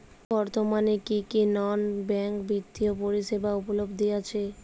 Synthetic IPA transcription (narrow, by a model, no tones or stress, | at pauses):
bɔɾt̪omanekikinɔnbɛŋkbɾit̪ːiopoɾiʃebaupolobd̪ijat͡ɕʰe